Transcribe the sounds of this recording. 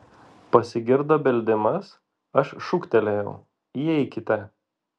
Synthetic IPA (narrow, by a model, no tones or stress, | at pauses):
pɐsʲɪɡʲɪɾd̪ɐbʲɛlʲd̪ʲɪmɐs | ɐʃʃʊkt̪ʲɛlʲejɛʊ | jiɛɪkʲɪt̪ʲɛ